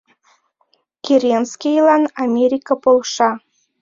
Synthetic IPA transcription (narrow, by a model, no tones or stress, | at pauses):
kʲeɾʲenskʲejlɑnɑmʲeɾʲikɑpolˠʃɑ